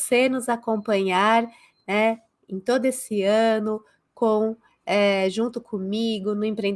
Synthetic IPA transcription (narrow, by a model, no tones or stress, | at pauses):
seɾnʊzakõpɐ̃ɲaɾ | nɛ | ẽj̃t̪od̪ʊesɪɐ̃nʊ | kõw̃ | ɛʒũnt̪ʊkʰõmiɡʊnʊẽpɾẽn